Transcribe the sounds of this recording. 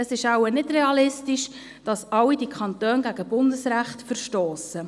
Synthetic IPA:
əsɪʃawənɪdɾɛɑlɪstiʃ | d̥ɑsɑwidikχɑntøːnɡæɡəbʊndəsɾæχtfəɾʃtoːsə

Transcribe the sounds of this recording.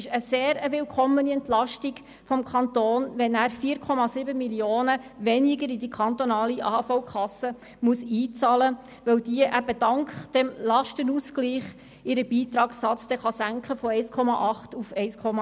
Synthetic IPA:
ɪʃəseːɾəʋɪlkʰɔmːəniɛntlɑʃtiɡ | fɔmkʰɑnt̪oːnʋɛnæːɾfiːɾkʰɔmɑsɪbəmiljoːnəʋɛnɪɡəɾidikʰɑnt̪ɔnɑːliʔɑ̰ːfoʊkʰχɑsə | muəsiːt͡sɑːlə | ʋɛwdiəʔæbədɑŋkχd̥ɛmlɑʃtənuːskliːχ | ɪɾəbiːt̪ɾɑːksɑt͡sd̥ɛχɑsæŋkχəfɔɛɪskʰɔmɑʔɑχtufɛɪskʰɔmɑ

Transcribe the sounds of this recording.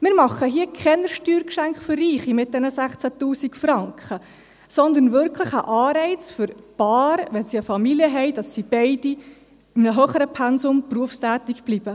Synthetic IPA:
mɪːɾmɑχːəɦiəkʰɛnəɾʃtyːɾkʃæŋkχfʏrːiːχimɪt̚d̥ɛnəsæχt͡sætuːsikfɾɑŋkχə | sɔnd̪ənvʏɾkʰləχəʔɑːɾɛɪt͡sfʏɾpɑːɾʋɛnsiəfɑmiljəɦɛɪd̥ɑsːib̥ɛɪd̥i | ɪmnəɦœχəɾəpʰɛnsʊmpruəfstæːt̪ikb̥lib̥ə

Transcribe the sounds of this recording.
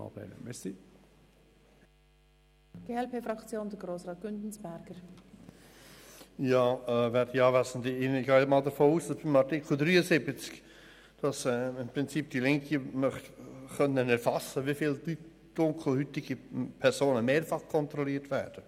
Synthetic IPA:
ɑ̰b̥lɛ̰ːnə̰mɛssi | ɡ̥eːɛlpeːfɾɑkt͡sjoːnd̪əɡɾoːsʁɑːt̚ɡ̥ʏndn̩sb̥ɛɾɡ̥əɾ | jɑːɛvɛɾdiɑːvæsən̩tɪɪnɪɡɑːmɑːldəɾfoːuːsdɑsb̥ɪmɑɾtɪkl̩ˠd̪ɾyːəsɪbət͡sk | d̥ɑsɛɪmpɾɪnt͡sip̚d̥ilɪŋkimœχtχœnːənɛɾfɑsəʋifiːldy | d̥ʊŋkʰl̩hyt̪ɪɡipʰɛɾsoːnəmeːɾfɑχkʰɔnt̪ɾɔliːtʋæːɾd̥ə

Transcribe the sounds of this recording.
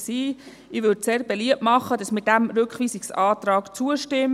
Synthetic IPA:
siː | ɪʋʏdseːɾbeliəp̚tmɑχːədɑsmɪt̚d̥æmɾʏkχʋiːsiksɑːt̪rɑːkt͡suəʃtɪm

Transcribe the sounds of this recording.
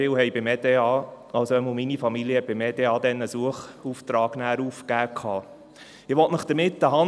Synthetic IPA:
ɪwhɛjbɪmed̪eɑː | ɑlsoɛmuminifɑmiliəb̥ɪmɛdeɑːd̪ɛnːəsuəχuft̪ɾɑːɡ̥næːɾuːfkæːkʰɑː | ɪʋɔtnəχd̪̥əɾmɪt̪ːəɦɑ

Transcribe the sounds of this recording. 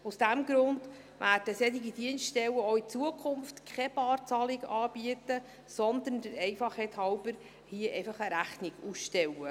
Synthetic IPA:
usd̥æmɡɾʊnd | ʋæːd̥əsɛt̪iɡid̥iənstʃtɛwəɔit͡suəkʰχʊmftkʰɛbɑːɾt͡sɑlɪɡɑːb̥iət̪ə | sɔnd̪əndəɾɛjfɑχhɛt̪hɑwbəɾ | hiəʔɛɪfɑχəɾæχnɪɡusʃtɛwə

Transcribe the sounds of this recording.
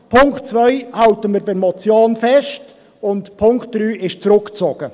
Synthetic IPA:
pʰʊŋktt͡svœʏhɑltəmiːɾbɪmɔt͡sjoːnfɛst | ʊntpʰʊŋktd̥ɾyːʔɪʃt͡sɾʊkt͡soːɡ̥ə

